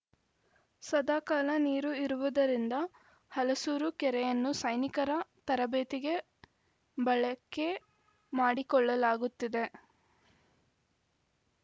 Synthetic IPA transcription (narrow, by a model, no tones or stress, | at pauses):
sɐd̪aːkaːlɐniːɾuiɾuʋud̪ɐɾind̪ɐ | hɐlɐsuːɾukɛɾɛjɐnːusɐjnikɐɾɐt̪ɐɾɐbeːt̪iɡe̞ | bɐɭɐkːe | maːɽikɔɭːɐlaːɡut̪ːid̪e̞